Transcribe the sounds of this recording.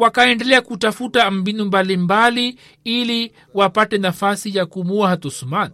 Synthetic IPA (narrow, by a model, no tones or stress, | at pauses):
wakaɛndɛlɛakutafutam̩binumbalimbali | ili | wapatɛnafasijakumuahatɔsumani